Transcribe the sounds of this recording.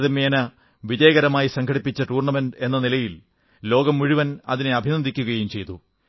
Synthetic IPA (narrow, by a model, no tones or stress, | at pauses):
ðɐmeːnɐ | ʋid͡ʑɐjɐɣɐɾɐmaːjisɐŋkʰɐɽipːit͡ɕːɐʈuːrɳɐmenɖe̞nːɐnilɐjil | lo̞ːɡɐmːuɻiʋɐnɐ̰ðineɐbʱinɐd̪ikʲːuɣɐjumt͡ɕe̞jt̪u